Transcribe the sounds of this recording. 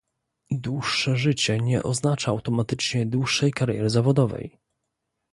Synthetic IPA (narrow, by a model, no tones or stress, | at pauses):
d̪wuʂːɛʐɘt͡ɕɛɲɛ̰ʔɔznat͡ʂaawt̪ɔmat̪ɘt͡ʂɲɛd̪wuʂːɛjkaɾjɛ̰ɾɘzavɔd̪ɔvɛ̰j